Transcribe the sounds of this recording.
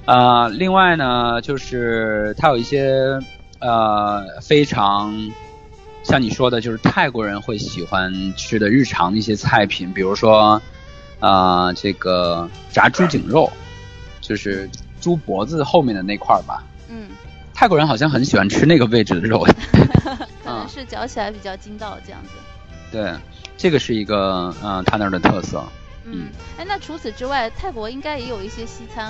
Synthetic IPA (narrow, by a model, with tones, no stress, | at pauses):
ə˧li˥˧ŋwa˥˩ɪnə˩t͡ɕjo˥˧ʊʂɻ̩˥˩t̪ʰa˥jo˨˩ʊi˥˩ɕjɛ˥ | ə˧fe˥ɪʈ͡ʂʰɑ˧˥ŋ | ɕjɑ˥˩ŋni˨˩ʂwɔ˥d̪ə˨t͡ɕjo˥˧ʊʂɻ̩˥˧t̪ʰa˥˩ɪkwɔ˧˥ɻə˧˥nxwe˥˩ɪɕi˨˩xwa˥nʈ͡ʂʰɻ̩˥d̪ə˨˧ɻɻ̩˥˩ʈ͡ʂʰɑ˧˥ŋd̪ə˧i˥˩ɕ̬jɛ˥t͡sʰa˥˩ɪpʰi˨˩˦npi˨˩ɻu˧˥ʂwɔ˥ | ə˧˩ʈ͡ʂɤ˥˩ɡə˩ | t͡sa̰˧˥ʈ͡ʂu˥t͡ɕḭ˨˩ŋɻo˥˩ʊ | t͡ɕjo˥˧ʊʂɻ̩˥˩ʈ͡ʂu˥pwɔ˧˥d͡zɹ̩˧xo˥˧ʊmjɛ˥˩nd̪ə˩ne˥˩˧ɪ˧kʰwa̰˥˩bɐ̰˩ | n̩˥˩ | t̪ʰɪkwɔ˥ɻə˧˥nxɑ˨˩ʊɕjɑ˥˩ŋxə˧˥nɕi˨˩xwa˧˥nʈ͡ʂʰɻ̩˥na˥˩ɡə˩we˥˧ɪʈ͡ʂɻ̩˥d̪ə˩ɻo˥˩ʊ˨˥ | kʰə˨˩ə˥˧˩ŋʂɻ̩˥˩t͡ɕjɑ˧˥ʊt͡ɕʰi˨la˧˥ɪpi˨˩t͡ɕjɑ˥˧ʊt͡ɕi˥nt̪ɑ˥˧ʊʈ͡ʂɤ˥˧jɑ̰˥˩ŋd͡z̩˩ | t̪we˥˩ɪ | ʈ͡ʂɤ˥˩ɡə˩ʂɻ̩˥˩i˧˥ɡə˧ə˧t̪ʰa˥t̪ɑ˥˩d̪ə˩t̪ʰɤ˥˧sɤ̰˥˩ | n̩˥˩a˥na˥˩ʈ͡ʂʰu˧˥t͡sʰɹ̩˨˩ʈ͡ʂɻ̩˥wa˥˩ɪt̪ʰa˥˩ɪkwɔ˧˥i˥ŋka˥ɪjɛ˧˥jo˨˩ʊi˥˩ɕjɛ˥ɕi˥t͡sʰa˥n